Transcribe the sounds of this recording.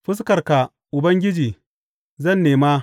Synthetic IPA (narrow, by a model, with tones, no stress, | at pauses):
ɸɪ˦s̬kɐ˨rka˨ | ʔʊ˨bɐ˦ŋɡʲɪ˦d͡ʒiː˨ | zɐ˦˨nːeː˨maː˦